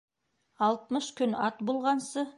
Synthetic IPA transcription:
ɑlˠt̪məʃkʲʰʏnɑt̪bolˠʁɑnsə

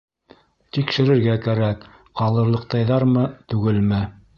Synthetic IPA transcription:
t̪ikʃɘ̆ɾɘ̆ɾɡækæɾæk | qɑlˠɤ̆ɾlˠɤ̆q̚t̪ɑjðɑɾmɤt̪ʉɡɘlmɘ

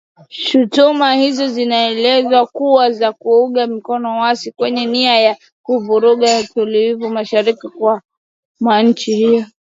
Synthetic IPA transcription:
ʃutumahizɔzinaɛlɛzwakuwazakuuɠam̩kɔnɔwasikwɛɲɛniaja | kuvuɾuɠatulivumaʃaɾikikwa | maɲ̩t͡ʃihijɔ

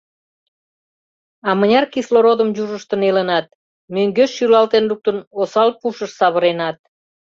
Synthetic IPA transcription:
ɑmənʲɑrkisloɾod̪əmjuʒəʃt̪ə̆nelənɑt̪̚ | møŋɡøʃːylɑlt̪enluk̚t̪ənosɑlpuʃəʃsɑβəɾenɑt̪̚

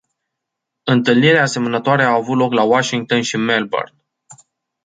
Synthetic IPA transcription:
ɨnt̪ɨlniɾeaːse̞mənət̪oaɾe̞awːvut̪lo̞klawaʃiŋɡ̚t̪onʃimelbə̰rd̪̚

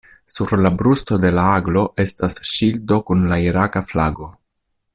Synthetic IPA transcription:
suɾlabɾusto̞de̞laaɡlo̞ʔe̞stasʃildo̞kunlaiɾakaflaɡo̞

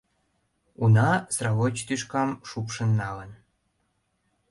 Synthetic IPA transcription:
unɑsrɑβot͡ɕt̪yʃkɑmʃupʃə̆nːɑlə̆n

